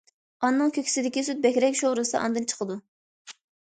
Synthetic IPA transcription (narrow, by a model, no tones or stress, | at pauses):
ɑnːɨŋkʲʰøkʲi̥sɪd̪ɪkʲisyt̪̚bɛkʲɾɛkʲʃoɾɨsɨʔɑ̰nd̪ɨnt͡ʃʰə̥qʰəd̪u